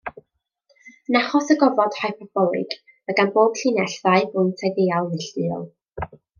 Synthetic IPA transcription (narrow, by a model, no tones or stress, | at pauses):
naχɔsəɡɔvɔd̥hajpʰɔb̥ɔlˠɨ̰ɡ̥ | əɡanboːb̥ɬinɛɬθaɨhʊntʰadejalˠnɪɬtɨɔ̰lˠ